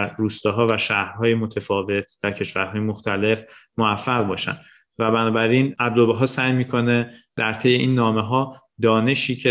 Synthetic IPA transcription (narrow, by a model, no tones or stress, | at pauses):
ruːst̪ɒːɦɒːvæʃæːhɾɦɒːjemot̪ʰefɒːve̞t̪ʰd̪̥æɾcʰe̞ʃvæɾɦɒːjemoxt̪ʰæle̞fmoæfːæɣbɒːʃæ̰nd̪ | væbænɒːbæɾinæb̚d̪obeɦɒːsæjmiːkʰo̞ned̪̥æɾt̪ʰe̞jeʔiːnːɒːmeɦɒː | d̪ɒːne̞ʃiːcʰe